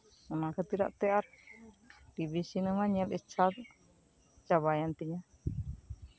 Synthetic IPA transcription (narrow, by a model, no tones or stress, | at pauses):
ɔnakʰət̪iɾa̰ʔt̪ɛaɾ | ʈibisinəmaɲɛlɛt͡ʃʰat | t͡ʃabajant̪iɲa